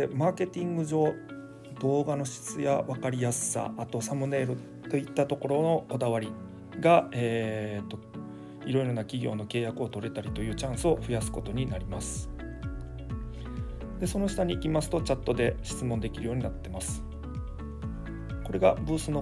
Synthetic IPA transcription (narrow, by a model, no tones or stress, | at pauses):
emaːke̞t̪ʲĩŋɡɯ̟ʑo̞ː | d̪o̞ːɡano̞ɕi̥t͡sɨja̰βakaɾʲijasɨ̥sa̰ʔːt̪o̞samɯne̞ːɾo | t̪o̞it̪ːat̪o̞ko̞ɾo̞no̞ko̞d̪aβ̞aɾʲi | ɡaeːt̪ːo̞ | iɾo̞iɾo̞nakʲiɡʲo̞̰ːno̞ke̞ːjakɯ̟o̞t̪o̞ɾe̞t̪aɾʲit̪o̞jɯ̟ːt͡ɕãɰ̃sɨo̞ɸɯjasɨ̥ko̞t̪o̞ɲ̟inaɾʲimasɨ̥ | d̪e̞so̞no̞ɕi̥t̪aɲ̟iʔimasɨ̥t̪o̞t͡ɕat̪ːo̞d̪e̞ɕi̥t͡sɨmond̪e̞kʲiɾɯjo̞ːɲ̟inat̪ːe̞masɨ̥ | ko̞ɾe̞ɡabɯ̟ːsɨno